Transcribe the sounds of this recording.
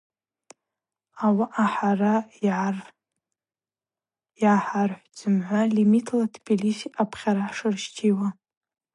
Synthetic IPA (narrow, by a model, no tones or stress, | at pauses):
awaʔaħarajʕr | jaħarħʷd͡zɨmʕʷalimitʰlatʰbʲilisiapʰχʲaɾaħʂɨrʃt͡ʃʰiwa